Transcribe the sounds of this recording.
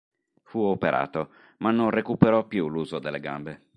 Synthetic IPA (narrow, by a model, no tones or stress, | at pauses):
fuopeɾʔa̰ːt̪o | manːonrekupeɾɔpːjuluːzod̪elːeɡa̰mbe